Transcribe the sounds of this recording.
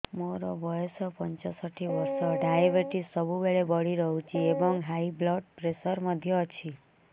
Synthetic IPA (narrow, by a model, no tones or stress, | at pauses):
moɾobɔjɔsɔpənt͡ʃɔsəʈʰiʋəɾsɔɖajebeʈisːəbubeɭebəɽiɾəɦũt͡ʃʰiebɔŋɡɦaiblɔʈ̚pɾeʃəɾməd̪ʱjɔt͡ʃʰi